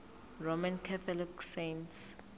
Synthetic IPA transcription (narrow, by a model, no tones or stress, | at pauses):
romãnkʰat̪ʰɔliksents